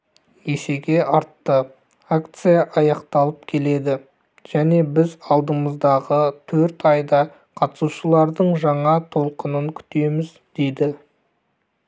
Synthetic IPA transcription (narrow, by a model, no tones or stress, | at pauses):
je̞se̞ɡʲe̞ʔɑɾt̪ːə | akt̪sɨjaʔɑjɑqt̪ɑlˠəpkʲʰe̞le̞d̪ɪ | ʒ̥æne̞bɪzɑlˠd̪əməzd̪ɑʁət̪ʰɵɾt̪ɑjd̪ɑ | qʰɑt̪ə̥suʃəlˠɑɾd̪əɴʒɑɴɑt̪ʰo̞lˠqənəŋkʲʰʏ̥t̪e̞mɪz | d̪̥e̞jd̪ɪ